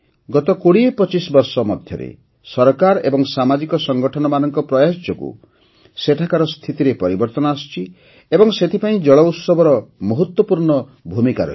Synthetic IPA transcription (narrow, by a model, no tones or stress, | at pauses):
ɡɔt̪ɔkoɽiepɔt͡ʃisbɔɾsɔmɔd̪ʱjɔɾḛ | sɔɾkaɾebɔŋsamad͡ʒikɔsɔŋɡɔʈʰɔnɔmanɔŋkɔpɾɔjasd͡ʒɔkṵ | seʈʰakaɾɔst̪ʰit̪iɾepɔɾibɔɾt̪ɔnɔast͡ʃʰi | ebɔŋset̪ʰipaĩd͡ʒɔɭɔut̪sɔbʱɔɾɔmɔɦɔt̪wɔpuɾɳɔ | bʱumika̰ɾɔ̰